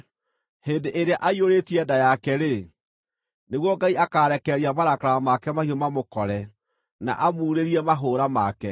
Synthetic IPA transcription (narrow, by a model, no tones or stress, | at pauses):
heːndeʔeɾeaʔaioɾetiɛːdajakɛɾe | neɣwɔɡaiakaːɾɛkɛɾiamaɾakɾaamakɛmahiɔmamokɔɾɛ | na̰ʔamuːɾeɾiɛmaɦoːɾamakɛ